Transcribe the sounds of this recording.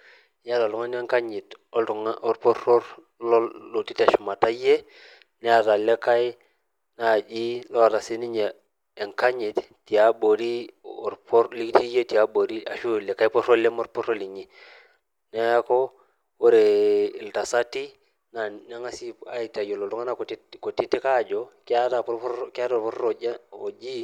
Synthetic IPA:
ja˦ta˨lu˦ŋa˦n˦e˦ŋka˦ɲi˨to˦ltu˨ŋo˨ɾpo˦ɾo˦ɾ | lɔ˦lo˨ti˦ta˨ʃu˨ma˨ta˦je˦ | nɛ˦a˨ta˨le˦ka˦i˦ | na˨d͡ʒi˦lɔ˦˨ta˨si˦ni˦ɲeː˨ | ŋka˦ɲi˨t | ti˨a˦ɓo˨ɾi˦˨ɾpɔ˦ɾli˦kti˦je˦ti˨a˦bo˨ɾi˦a̰˨ʃu˦˨lɛ˨ka˦jpo˦ɾo˦le˦mo˦ɾpo˦ɾo˦li˨ɲi˨ | nɛ˦a˦ko˦ | wo˦ɾe˨i˨lta˨sa˦ti˦ | na˨na˦ŋa˦si˦a˦i˨ta˨jo˨lo˨tu˦ŋa˦na˦˨ko˨ti˦ko˨ti˦ti˦ka˦˨d͡ʒo˨ki˦a˦ta˨pɾka˦to˨ɾpɔ˦ɾɾo˨˦o˨d͡ʒi˦

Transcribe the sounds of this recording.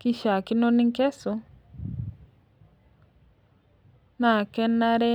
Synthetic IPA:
kɪ˦ʃa˨kɪ˦no˦nɪ˦ŋ˦kɛ˦so˦ | na˨kɛ˦na˦ɾɛ˦

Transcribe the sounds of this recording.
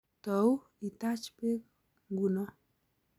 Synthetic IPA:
t̪əw | i˨t̪at͡ʃpe˦k | ɡunɔ˦

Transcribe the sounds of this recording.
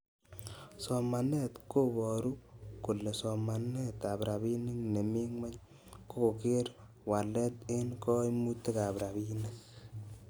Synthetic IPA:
sɔ˨ma˨nɛ˦t̪ko˦bɔ˨ɾu˦ku˨le˨sɔ˨ma˨nɛ˦t̪a˨bɾa˨bi˦nɪ˦kne˨mi˦ŋwɛ˦ɲ | koke˦ɾ | wa˨lɛ˦t̪ɪ˦nkɔ˦imu˦t̪e˦ka˨pɾa˨bi˦ne˦k

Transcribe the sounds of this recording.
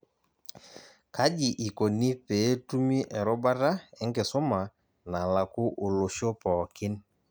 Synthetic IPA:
ka˦d͡ʒɪ˨ʔi˨ko˨ni˦pe˨˦tu˦mi˦ʔɛ˨ɾɔ˦ba˦ɾa˦ɛ˦ŋɡɪ˨sʊ˦ma˨ | na˨la˨kʊ˦ʔo˨lo˨ʃo˦pɔː˨kɪ˦n

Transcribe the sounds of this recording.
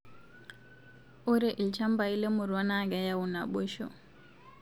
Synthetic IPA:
u˦ɾe˨ʔi˨lt͡ʃa˦mba˨i˦le˦mu˨ɾwa˦na˦ɡa˨˦ja˨u˨na˨ɓo˦ʃɔ̰˨

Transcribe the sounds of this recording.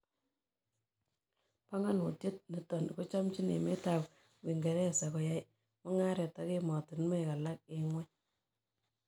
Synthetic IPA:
pa˦ŋa˦nu˨tje˦t̚ni˨tɔ˨n˨ko˦t͡ʃɔ˦mt͡ʃi˦nḛ˨me˦ta˨w | wi˨ŋɡe˨ɾɛ˦˨sa˨kɔ˨ja˦j | mɔ˦ŋa˦ɾe˨ta˨˦ke˦mɔ˨ti˨nmo˦˨ka˨la˦k̚ɪ˨ŋwɛ˦

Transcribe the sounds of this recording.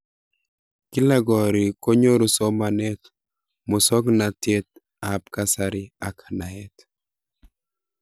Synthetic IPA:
ki˦la˦ɡɔ˨ɾi˨ko˦ɲo˦ɾo˦sɔ˦ma˨nɛ˦t̪ | mʊ˨sɔ˦ɡnat̪e˦t̪̚ | a˨p̚ka˦saɾɪ˦a˨kʰḁ˨na˨ɛ˦t̪

